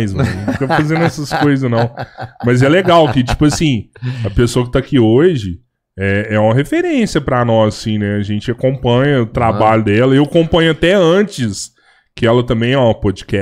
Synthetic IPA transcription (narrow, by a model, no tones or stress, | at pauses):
jzmɐ̃fikɐfazẽnd̪ʊɛsɐskojzɐznɐ̃w̃mɐzɛleɡawkɪt͡ʃi̥pʊɐsĩɐpesoɐkɪ̥t̪akioʒɪ | ɛɛũmɐɦefeɾẽsijɐpɾɐnɔsɐsĩnɛɐʒẽnt͡ʃɪɐkõmpɐ̃ɲɐʊt̪ɾabaʎʊd̪ɛlɐewɐkõmpɐ̃ɲʊat̪ɛɐ̃t͡ʃɪs | kɪɛlɐt̪ɐ̃mbẽj̃ɛwmɐpɔd͡ʒikɛ